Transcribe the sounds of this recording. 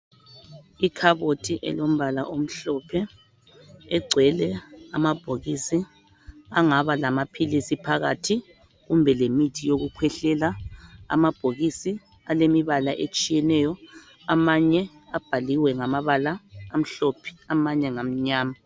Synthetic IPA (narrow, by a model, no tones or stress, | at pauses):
ikʰaβotʰiʔɛ̰lom̩βala̰ʔom̩ɬɔpʰɛ | ɛɡ͡ǀʱwɛlɛamab̥ʱoɣisi | aŋaβalamapʰilisipʰaɣa̰tʰi | ɣumbʱɛlemitʰijoɣukʰwɛɬɛla̰ːmab̥ʱoɣisi | alemiβalaʔet͡ʃʼijɛnɛjɔ | amaɲɛab̥ʱaliwɛŋamaβalaːm̩ɬɔpʰi̥amaɲɛŋam̩ɲaːma